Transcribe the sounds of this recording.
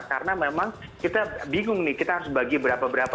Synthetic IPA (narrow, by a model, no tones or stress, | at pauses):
kaɾənamemaŋ | kit̪abiŋʊŋnɪhkit̪aɦaɾʊsbaɡibəɾapabəɾap